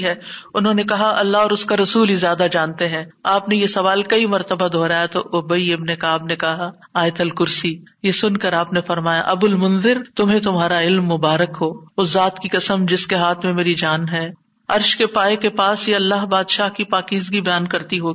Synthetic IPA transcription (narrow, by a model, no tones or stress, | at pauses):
ɦɛːʊnɦõːnekɐɦaʔɐlːaɦɔːɾʊskaɾɐsuːlizjaːd̪ad͡ʒãːnt̪eɦɛ̃ːaːpnejesɐʋaːlkɐimɐɾt̪əbad̪ʱoːɾaːjat̪oʔʊbəiɪbnekaːbnekɐɦa | aːjt̪ɐlkʊɾsijesʊnkɐɾaːpnefɐɾmaːja̰ʔɐbʊlmʊ̃nzɪɾt̪ʊmɦẽt̪̬ʊmɦaːɾaɪlmːʊbaːɾəkɦoːʊzaːt̪kikɐsəmd͡ʒɪskeɦaːt̪ʰmẽmeːɾid͡ʒaːnɦɛː | ɐ̰ɾʃkepaːekepaːsjeɐlːaːɦbaːd̪ʃaːɦkipaːkiːzɡibɐjaːnkɐɾt̪iɦoː